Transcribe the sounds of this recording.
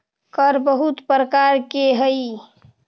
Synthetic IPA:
kəɾbəɦut̪pɾəkaɾkeɦəi

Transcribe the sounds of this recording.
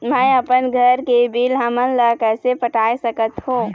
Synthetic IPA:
mɛ̃əpənɡʱəɾkebʱiːlɦəmənləkəsepəʈaːesəkət̪ɦũː

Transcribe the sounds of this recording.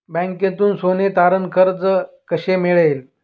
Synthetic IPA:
bɛ̃ŋkjãt̪uːnsonet̪aɾənkʰəɾd͡zə | kəɕemeɭel

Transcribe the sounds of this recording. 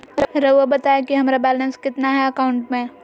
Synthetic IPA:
ɾɐəbɐt̪aːekiɦɐmaɾabɛːlə̃nskɪt̪naɦɛɐkaʊ̃ɳʈmẽː

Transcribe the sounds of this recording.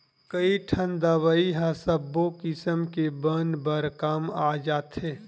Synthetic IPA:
kəiʈʰənd̪aʋaiɦãsəbːokɪsəmkebənbəɾkaːmaːd͡ʒaːt̪ɦẽː

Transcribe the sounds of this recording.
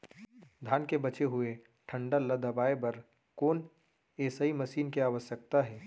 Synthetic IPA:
d̪ʱaːnkebɐt͡ʃeɦʊe | ʈʰə̃ɳɖələd̪əbaːebɐɾ | koːn | eːsaimɐʃiːnkeaːʋəsjək̚t̪aɦɛː

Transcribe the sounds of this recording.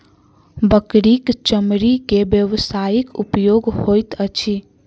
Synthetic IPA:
bəkɾikt͡ʃəmɾikebjəʋsajikupjoɡhojt̪ət͡ʃʰi

